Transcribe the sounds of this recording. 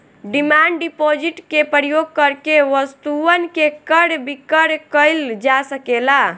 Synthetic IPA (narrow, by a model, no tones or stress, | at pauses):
ɖimaɳɖɖipod͡ʒiʈkepəɾjoɡ̚kəɾkeʋəst̪uənkekəɽbikəɽkəɪld͡ʒasəkela